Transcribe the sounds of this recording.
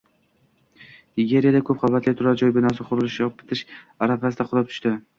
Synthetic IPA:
ɪɡʲe̞ɾijad̪akʰɵp̚χʰabat̪lɪt̪ʰʊɾaɾd͡ʒɒjbɪnɒsɪqʰʊɾʊlˠɪʃʁɨp̚bɪ̥t̪ʰɪʃ | aɾafasɪd̪aqʰʊlˠɑp̚t̪ʰʊ̥ʃt̪ɪ

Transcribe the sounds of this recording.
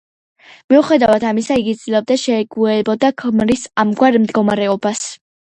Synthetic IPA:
miuχɛd̪avad̪ʰamisaiɡid̪zlɛb̚d̪aʃɛɡuɛbɔd̪akʰmɾisamɡwaɾmd̪ɡɔmaɾɛɔbas

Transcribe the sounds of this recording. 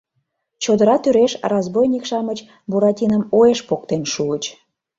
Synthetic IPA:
t͡ɕod̪əɾɑt̪yɾeʃrɑzbojnʲikʃɑmət͡ɕ | buɾɑtʲinəmoeʃpok̚t̪enʃuət͡ɕ

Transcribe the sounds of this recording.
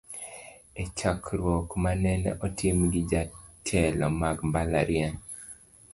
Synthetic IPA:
et͡ʃakʰɾwɔkmanɛnɛ̰ʔɔtʰɪmɡɪd͡ʒatʰɛlɔmaɡmbala̰ɾjɛn

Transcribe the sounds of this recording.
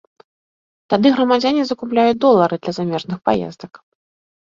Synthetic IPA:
t̪ad̪ɨɣɾɐmad͡zʲanʲizɐkuplʲajud̪ɔlˠːɐɾɨd̪lʲɐzamʲɛʐnɨxpa̰jɛ̰zd̪ɐk

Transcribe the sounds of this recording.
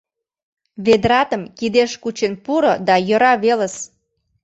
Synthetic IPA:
βed̪ɾɑt̪ə̆mkid̪eʃkut͡ɕenpuɾod̪ɑjə̆ɾɑβelə̆s

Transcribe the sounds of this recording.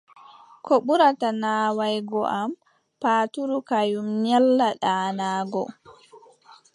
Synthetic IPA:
kʰoɓuɾatanaːwajɡɔʔam | paːtuɾukajumɲɛlːaɗaːnaːɡɔ̰

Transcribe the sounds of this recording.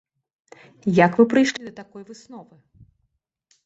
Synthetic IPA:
jɐkvɨpɾɨjʂlʲid̪ɐt̪akɔjvɨsnɔvɨ

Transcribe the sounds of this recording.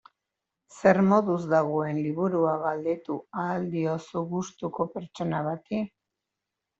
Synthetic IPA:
se̞ɾmo̞ðuzd̪aɣoe̞nliβuɾuaɣald̪e̞t̪uaːld̪io̞suɣust̪uko̞pe̞ɾt͡ʃo̞naβat̪i

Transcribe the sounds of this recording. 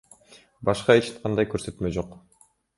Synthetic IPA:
bɑʃqɑet͡ʃʰt̪qʰɑnd̪ɑjkøɾsø̞t̪mø̞d͡ʒo̞q

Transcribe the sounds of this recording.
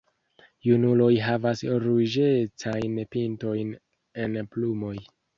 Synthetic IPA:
junulo̞jɦavasɾud͡ʒet͡sajnpinto̞jn | e̞nplumo̞j

